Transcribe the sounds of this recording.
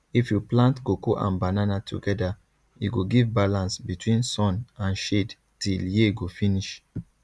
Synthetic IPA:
ifjuplãntɡokoʔã̰nbananatʰṵɡɛda | jṵɡoɡivbalãnsbitwĩnsɔ̃nãnʃed | tiljeɡofiniʃ

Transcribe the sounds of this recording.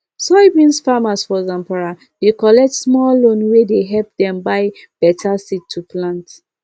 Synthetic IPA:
sɔbĩnsfamasfɔzãmpaɹa | d̥ekɔlɛk̚tsmɔllõnwedeɦɛlp̚dɛ̃mbaɪ | b̥ɛtʰasitʰːupʰlãnt

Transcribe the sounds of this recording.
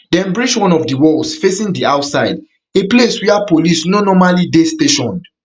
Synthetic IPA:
dɛ̃nbɹid͡ʒwɔ̃nɔfdiwɔlsfesĩŋdiaʊtsaɪd | epleswɛapolisnonɔmalidesteʃɔ̃n

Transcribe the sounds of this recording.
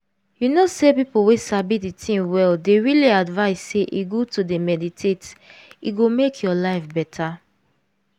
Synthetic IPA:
junosepipuwesabiditʰĩŋwɛldeɹiliadvaɪsːeʔiɡotudemɛditʰetiɡomekʰjɔlaɪfbɛtʰa

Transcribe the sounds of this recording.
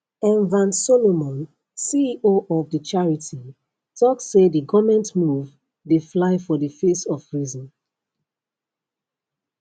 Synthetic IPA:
ɛ̃nvãnsolomɔ̃n | siiʔoʔɔvdət͡ʃaɹitʰi | tʰɔksːedəɡɔmɛ̃ntmuv | deflaɪfɔdəfesɔvɹizɔ̃n

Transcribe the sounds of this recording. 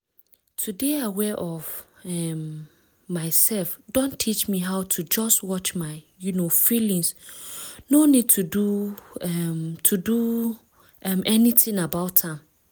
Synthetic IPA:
tʰudeawɛʔɔvɛmː | aɪsɛlfdõntʰit͡ʃmĩɦaʊtʰud͡ʒɔstwɔt͡ʃmaɪ | junofilĩŋs | nonid̚tʰuduɛmtʰudu | ɛ̃mʔɛnitɪ̃ŋabaʊtʰːãm

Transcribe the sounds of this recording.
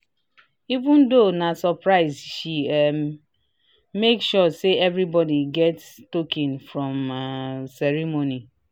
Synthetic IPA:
ivũndonasɔpɹaɪzʃi | mekʃɔseɛvɾibɔdiɡɛtstokĩnfɹɔ̃m | sɛɹimoni

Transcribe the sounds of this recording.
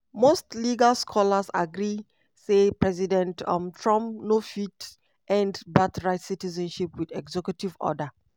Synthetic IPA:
mostliɡalskʰɔlasa̰ɡɾi | sepɹɛzidɛ̃ntɔ̃mtʰɹãmpnofit | ʔɛ̃ndbatɹaɪtsitizɛ̃nʃipwidɛɡzɛkjutivɔ̰də

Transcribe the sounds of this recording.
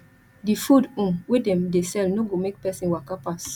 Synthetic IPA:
difudũmwedɛ̃mdesɛlnoɡomek̚pɛsĩnwakapas

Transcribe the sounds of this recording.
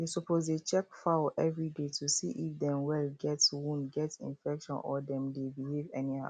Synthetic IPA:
desɔpʰozdet͡ʃɛkfaʔɛvɹidetʰusiʔifdɛ̃mwɛlɡɛtwũndɡɛtsḭ̃nfɛkʃɔ̰̃nʔɔ̰dɛ̃mdebilivɛniha̰

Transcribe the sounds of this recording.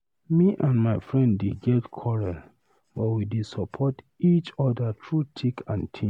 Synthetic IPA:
miʔãnmaɪfɹɛ̃nddeɡɛtkʰɔɹɛl | bɔtwidesɔpʰɔt | it͡ʃɔdatʰɹutʰikãntʰĩ

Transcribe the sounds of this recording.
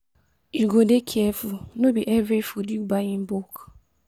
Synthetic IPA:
juɡodekʰɛfulnobiʔɛvɹifudubaĩmbuk

